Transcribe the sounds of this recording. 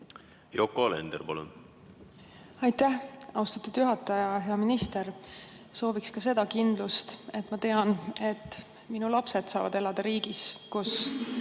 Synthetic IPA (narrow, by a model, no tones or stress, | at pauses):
jokolḛnd̪ḛɾpɑlṵn | ɑjt̪æhɑwst̪ɑt̪ːˑud̪̥juɦɑt̪ːˑɑjɑɦe̞ɑminist̪e̞ɾ | so̞ːvikskɑse̞d̪̥ɑkind̪lust̪e̞t̪ːˑmɑt̪e̞ɑne̞t̪ː | minulɑpse̞t̪sɑːvɑ̰d̪e̞lɑd̪̥ɑɾiːɡiskus